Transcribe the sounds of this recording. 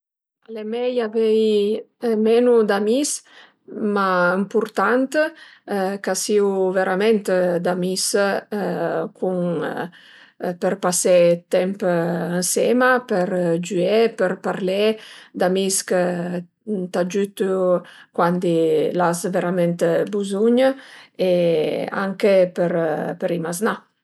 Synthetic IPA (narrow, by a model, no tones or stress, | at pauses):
alemɛjavɛj | mɛnud̪amis | maəmpuɾt̪ant̪ | kasiwveɾamɛnt̪d̪amis | kʰuŋ | pəɾpasɛt̪ɛmpənsɛmapəɾd͡ʒyepəɾpaɾlɛd̪amiskə | t̪ad͡ʒyt̪ukwand̪ilasveɾamɛnt̪buzuɲəea̰ŋkepəɾpəɾimazna